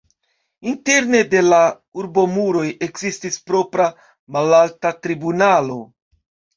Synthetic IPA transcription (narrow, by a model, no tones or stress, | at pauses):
inte̞ɾne̞de̞la | uɾbo̞muɾo̞je̞kzistispɾo̞pɾa | malaltatɾibunalo̞̰